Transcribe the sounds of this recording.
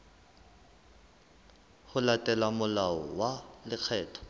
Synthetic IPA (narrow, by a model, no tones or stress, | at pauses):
hʊlatʼɛlamʊlaɔwalɪk͡xʰɛːtʰɔ̥